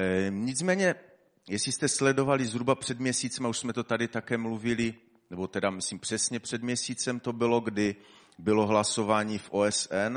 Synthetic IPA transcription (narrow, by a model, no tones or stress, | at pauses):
ɲɪt͡smɛːɲɛ | jɛsɪst̪ɛslɛdo̞valɪzɦɾubapr̝̥ɛd̪mɲɛsiːt͡sɛmauʃsmɛt̪o̞t̪adɪt̪akɛːmluvɪlɪ | nɛbo̞t̪ɛdamɪsliːmpr̥ɛsɲɛpr̝̥ɛdmɲɛsiːt͡sɛmt̪o̞bɪloɡdɪ | bɪlo̞ɦlaso̞vaːɲiːfʔoːɛsʔɛn